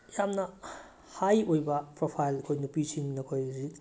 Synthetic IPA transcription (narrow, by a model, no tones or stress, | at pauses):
jamnɐ | hajojbɐpɾopʰajlɐkʰojnupisiŋnɐkʰojɾi